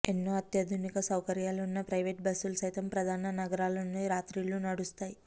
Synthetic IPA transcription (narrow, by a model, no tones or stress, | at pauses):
enːuːɐt̪jɐd̪ʱunikɐsɐwkɐɾjaːluunːɐpɾɐjʋeːʈ̚bɐsːulusɐjt̪ɐmpɾɐd̪ʱaːnɐnɐɡɐɾaːlɐnːiɾaːt̪ɾilunɐɽust̪aːji